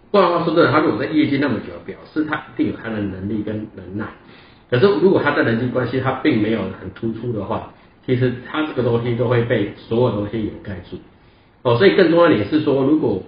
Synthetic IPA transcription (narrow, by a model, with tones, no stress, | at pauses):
u˥˧xwa˥˩swɔ˥˩˨a˥ɻu˧˥kwɔ˨˩t͡sa˥˧ɪjɛ˥˧t͡ɕi˥˧na˥˩mə˨t͡ɕjo˨˩˦d̪ə˦˩pjɑ˨˩˦ʊʂɻ̩˥˩t̪ʰa˦˥ʔi˧˥t̪i˥˩ŋjo˨˩t̪ʰa˥d̪ə˨nə˧˥ŋli˥˩kə˦nlə˧˥ŋna˥˩ɪ | kʰə˨˩ʂ̬̩˥˩ɻu˧˥kwɔ˨˩t̪ʰa˥t͡sa˥˩ɪɾə˧˦nt͡ɕi˥˩kwa˦nɕi˦t̪ʰa˦˥pi˥˩ŋme˧˥ɪjo˨˩ʊxə˨˩nt̪ʰu˥ʈ͡ʂʰu˥d̪ə˨xwa˥˩ | t͡ɕʰi˧˥ʂ̬ɻ̩˧˥t̪ʰa˥ʈ͡ʂɤ˥˩ɡə˩t̪o˥ŋɕi˦˥t̪o˥ʊxwe˥˧ɪpe˥˩ɪswɔ˧˥jdə˨t̪o˥ŋɕi˥jɛ˨˩ka˥˧ɪt͡sṵ˥˩ | ɔ˥˩swɔ˧˥i˨kə˥˩t̪ŋjɑ˥˨ni˨˩jɛ˨˩ʂɻ̩˥˩swɔ˥lu˨˧˥kwɔ˨˩